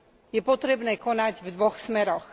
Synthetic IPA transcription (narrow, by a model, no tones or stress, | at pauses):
jɛpɔt̪ɾɛbnɛːkɔnaɟvd̪ʋɔxsmɛɾɔx